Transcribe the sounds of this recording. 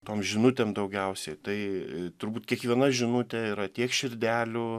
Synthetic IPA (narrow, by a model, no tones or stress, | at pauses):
t̪oːmʒʲɪnʊt̪ʲeːmd̪ɐʊɡʲɛʊsʲɛɪt̪ɐɪt̪ʊɾbuːt̪ʲkʲiɛkʋʲiɛnɐʒʲɪnʊt̪ʲɛiːɾɐt̪ʲiɛkʃʲɪrʲd̪ʲæːlʲʊ